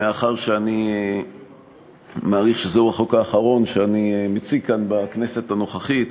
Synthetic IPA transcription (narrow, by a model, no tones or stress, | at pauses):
eaχaʁʃeanie | maːʁiχʃezeuaχo̞kaːχaʁo̞nʃeanimet͡sikanbakne̞se̞tano̞χaχit